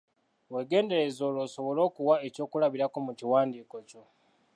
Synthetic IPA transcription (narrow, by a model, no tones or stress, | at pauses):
we̞ːɡe̞ːnde̞ɾe̞zo̞ːlo̞ːso̞βo̞lo̞ːkuwae̞co̞ːkulaβiɾako̞muciwaːndiːko̞co̞